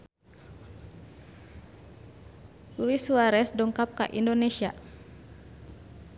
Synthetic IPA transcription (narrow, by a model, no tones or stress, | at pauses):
luisuwaɾɛsdɔŋkap̚ka̰ʔḭndonesia̰